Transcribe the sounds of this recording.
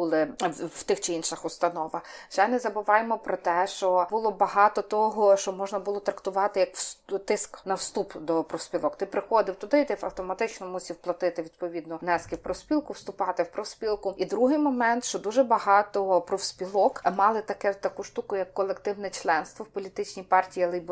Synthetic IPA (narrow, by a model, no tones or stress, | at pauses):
bulˠɪw̥t̪ɪxt͡ʃɪinʃɪxʊst̪ɐnɔʋɐxt͡ʃɛnɛzɐbʊʋɑjemɔpɾɔt̪ɛʃt͡ʃɔbʊlˠɔbɐɦɑt̪ɔt̪ɔɦɔʃt͡ʃɔmɔʒnɐbʊlˠɔt̪ɾɐkt̪ʊʋɑt̪ɪjɐkst̪ɪsknɐwst̪upd̪ɔpɾɔwspʲilˠɔkt̪ɪpɾɪxɔd̪ɪwt̪ʊd̪ɪt̪ɛfɐ̰wt̪ɔmɐt̪ɪt͡ʃnɔmusʲiwplˠɐt̪ɪt̪ɪʋʲid̪pɔʋʲid̪nɔnɛskɪwpɾɔwsʲpʲilˠkʊwst̪ʊpɑt̪ɪwpɾɔwsʲpʲilˠkʊid̪ɾuɦɪjmɔmɛnt̪ʃt͡ʃɔd̪uʒɛbɐɦɑt̪ɔpɾɔwspʲilˠɔkmɑlˠɪt̪ɐkɛt̪ɐkuʃt̪ukʊjɐkːɔlˠekt̪ɪwnɛt͡ʃlˠɛnst̪ʋɔwpɔlʲit̪ɪt͡ʃʲnʲijpɑrtʲijiɐlˠɪb